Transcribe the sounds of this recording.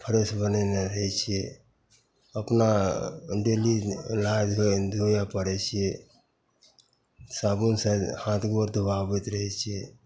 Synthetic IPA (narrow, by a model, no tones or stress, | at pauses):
pʰəɾəsbəneneɾəɦɛt͡ʃʰie | əpna | ɖelilajd̪d̪ʱojapəɽɛt͡ʃʰie | saːbunsəhãːt̪ʰɡoɾd̪ʱəbabet̪ɾəɦɛt͡ʃʰe